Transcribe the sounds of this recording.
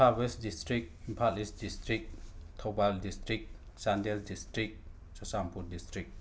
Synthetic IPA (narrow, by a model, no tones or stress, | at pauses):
pʰaɾbesdistɾik̚impʰatlisdistɾik̚tʰawbaldistɾik̚ | sandeldistɾik̚ | sɔsampʰuɾdistɾik̚